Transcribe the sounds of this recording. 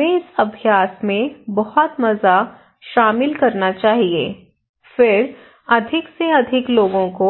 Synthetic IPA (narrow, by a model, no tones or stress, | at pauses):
ẽɪsɐbʱijaːsmẽbɐhɔt̪mɐza | ʃaːmɪlkɐɾnat͡ʃaːɦiḛː | fɪɾ | ɐd̪ʱɪkseɐd̪ʱɪkloːɡõko